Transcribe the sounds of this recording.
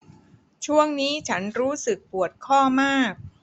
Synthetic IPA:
t͡ɕʰu˥˩əŋniː˦˥t͡ɕʰa˦˥nɾuː˦˥sɯ˨˩k̚pu˨˩ət̪̚kʰɔː˥˩maː˥˩k̚

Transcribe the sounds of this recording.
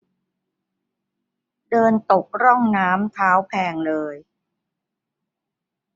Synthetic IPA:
dɤː˧nt̪o˨˩k̚ɾɔ˥˩ŋnaː˦˥mt̪ʰaː˦˥wpʰɛː˧ŋlɤː˧j

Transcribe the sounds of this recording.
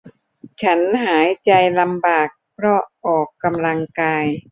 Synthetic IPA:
t͡ɕʰa˦˥nɦaː˩˦jt͡ɕa˧jla˧mbaː˨˩k̚pʰɾɔ˦˥ʔɔː˨˩kːa˧mla˧ŋkaː˧j

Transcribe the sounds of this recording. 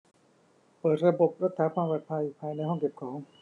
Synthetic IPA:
pɤː˨˩t̪̚ɾa˧bo˨˩p̚ɾa˦˥t̪̚ʰaː˩˦˥kʰaː˧mbaː˨˩t̪̚pʰa˧jpʰaː˧jna˧jhɔ˥˩ŋke˨˩p̚kʰɔː˩˦ŋ

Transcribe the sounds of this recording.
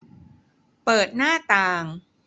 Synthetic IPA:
pɤː˨˩t̪̚naː˥˩t̪aː˨˧˩ŋ

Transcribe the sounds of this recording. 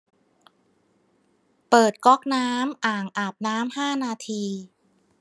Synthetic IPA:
pɤː˨˩t̪̚kɔ˦˥˩k̚naː˦˥mʔaː˨˩ŋʔaː˨˩p̚naː˦˥mhaː˥˩naː˧t̪ʰiː˧

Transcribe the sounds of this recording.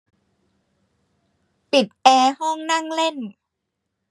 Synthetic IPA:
pi˨˩t̪̚ʔɛː˧hɔ˥˩ŋna˥˩ŋle˥˩n

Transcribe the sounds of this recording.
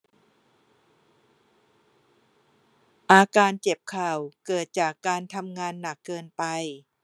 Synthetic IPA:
ʔaː˧kaː˧nt͡ɕe˨˩p̚kʰaː˨˩wkɤː˨˩t̪̚t͡ɕaː˨˩kːaː˧nt̪ʰa˧mŋaː˧nːa˨˩kːɤː˧npa˧j

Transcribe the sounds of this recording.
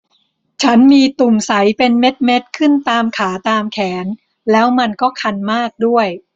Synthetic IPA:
t͡ɕʰa˦˥nmiː˧t̪u˨˩msa˩˦jpe˧nme˦˥t̪̚me˦˥t̪̚kʰɯ˥˩nt̪aː˧mkʰaː˩˦t̪aː˧mkʰɛː˩˦n | lɛː˦˥wma˧nkɔː˥˩kʰa˧nmaː˥˩k̚du˥˩əj

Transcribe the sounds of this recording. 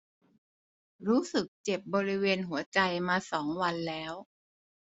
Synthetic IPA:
ɾuː˦˥sɯ˨˩k̚t͡ɕe˨˩p̚bɔː˧ɾi˦˥weː˧nɦu˩˦ɐt͡ɕa˧jmaː˧sɔː˩˦ŋwa˧nlɛː˦˥w

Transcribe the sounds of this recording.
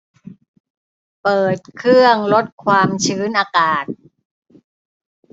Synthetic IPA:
pɤː˨˩t̪̚kʰɾɯ˥˩əŋlo˦˥t̪̚kʰwaː˧mt͡ɕʰɯː˦˥nʔaː˧kaː˨˩t̪̚

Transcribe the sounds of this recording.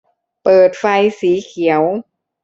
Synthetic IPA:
pɤː˨˩t̪̚fa˧jsiː˩˦kʰi˩˦əw

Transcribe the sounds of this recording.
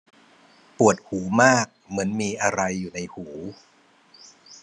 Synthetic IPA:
pu˨˩ət̪̚huː˩˦maː˥˩k̚mɯ˩˦ənmiː˧ʔa˧ɾa˧jːuː˨˩na˧jhuː˩˦

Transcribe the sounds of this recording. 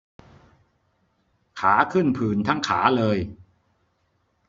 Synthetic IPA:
kʰaː˩˦kʰɯ˥˩npʰɯː˨˧nt̪ʰa˦˥ŋkʰaː˩˦lɤː˧j

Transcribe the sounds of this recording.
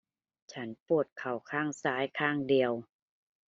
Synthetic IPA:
t͡ɕʰa˦˥npu˧˩ət̪̚kʰa˨˩wkʰaː˥˩ŋsaː˨˦˥jkʰaː˧˥˩ŋdi˨˩əw

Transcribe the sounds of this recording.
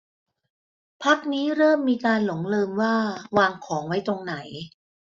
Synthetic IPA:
pʰa˦˥k̚niː˦˥ɾɤː˥˩mːiː˧kaː˧nlo˨˩˦ŋlɤː˧mwaː˥˩waː˧ŋkʰɔː˩˦ŋwa˦˥jt̪o˧ŋna˩˦j

